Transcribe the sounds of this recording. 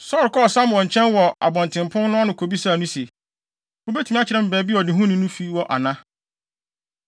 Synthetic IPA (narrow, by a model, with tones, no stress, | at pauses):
sɔ˦˨ɾkɔ˦˨sã˦mwɔ̃˨ɲ˨t͡ɕʰɛ̃˦nwɔ˨ʔa̰˨bɔ̃˨n˨tʰɪ̃˨mpʰʊ̃˦nnʊ̃˦a˦nʊ̃˨kʰo˨bi˦sa˦˨nũ˦se˨ | ʊ˦be˦tʰi˨mĩ˦a˦t͡ɕʰɪ˨ɾɛ˦˨m̩˨bɛː˨bi˦wɔ˨dɪ̃˨ɦũ˦nʊ̃˦nũ˦fi˦wɔ˨ʔa̰˨nã˦